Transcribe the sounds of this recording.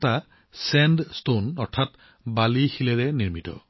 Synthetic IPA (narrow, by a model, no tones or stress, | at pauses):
ta | sɛndstonɔɹtʰːat | balixilɛlɛniɹmitɔ̰